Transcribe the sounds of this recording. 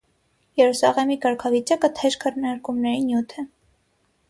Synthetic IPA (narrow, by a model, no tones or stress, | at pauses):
jɛɾusɑʁɛmikɑɾkʰɑvit͡ʃɑkət̪ʰɛɾkʰəɾnɑɾkumnɛɾinjut̪ʰɛ